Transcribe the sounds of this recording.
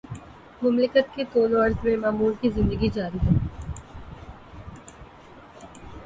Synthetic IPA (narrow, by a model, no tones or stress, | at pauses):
mʊmlɪkət̪̚kit̪oːloɐɾt̪mẽmaːmuːlkizɪ̃nd̪əɡid͡ʒaːɾiɦɛː